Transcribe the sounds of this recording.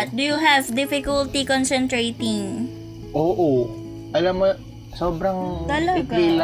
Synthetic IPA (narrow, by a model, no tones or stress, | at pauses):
t̪̚d̪ujuɦɛvd̪ɪfɪkʊlt̪ikonsɛ̃nt̪ɾejt̪ɪŋ | ʔoːʔo | ʔɐlamo | soːbɾɐŋt̪ɐlɐpɡila